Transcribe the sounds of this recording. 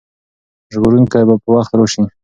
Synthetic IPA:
ʒɡoɾuŋkajbapəwaxt̪ɾoʃi

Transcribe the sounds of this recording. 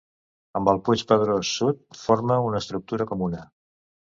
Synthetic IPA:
əmbəlˠput͡ʃpəðɾosːut̪̚forməunəst̪ɾuk̚t̪uɾəkɔmunə

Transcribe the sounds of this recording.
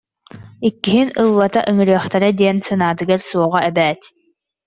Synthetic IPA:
ikːiɦinɯlˠːat̪aʔɯŋɯɾɯɐχt̪ɛɾad̪iɛnsɯnaːt̪ɯɡaɾsuɔʁaʔɛbɛːt̪

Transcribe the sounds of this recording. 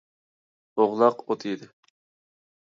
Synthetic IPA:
oʁlˠɑqot̪ʰɨid̪ɪ

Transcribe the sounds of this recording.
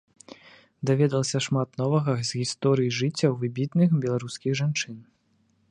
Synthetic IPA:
d̪avʲɛd̪ɐlˠɐsʲɐʂmat̪nɔvɐɣɐzʲɣʲist̪ɔɾɨjiʐɨt͡sʲːɐwvɨbʲit̪nɨxbʲɛlˠaɾuskʲiɣʐant͡ʂɨn

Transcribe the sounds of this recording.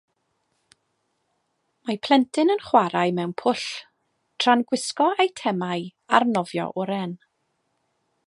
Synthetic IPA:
mapʰl̥ˠɛntʰɪnənχwaɾaɨmɛwnpʰʊɬ | tʰranɡwɪskɔejtʰɛmaɨarnɔvjɔ̰ʔʊɾɛn

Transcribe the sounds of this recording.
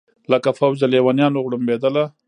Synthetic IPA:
ləkafawd͡ʒalewanjɑnoɣɽumbed̪əla

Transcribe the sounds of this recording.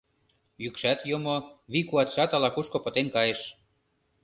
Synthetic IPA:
jykʃæt̪jomoβikuɑt̪ʃɑt̪ɑlɑkuʃkŏpɤ̆t̪enkɑjeʃ

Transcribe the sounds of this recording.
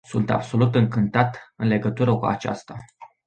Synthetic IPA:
sunt̪a̰bso̞lut̪ɨŋkɨnt̪at̪ɨnle̞ɡət̪uɾəkua̰t͡ʃa̰st̪a

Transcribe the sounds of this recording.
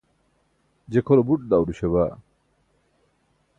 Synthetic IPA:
d͡ʑekʰolobuʈ̚d̪awɖuɕeβa

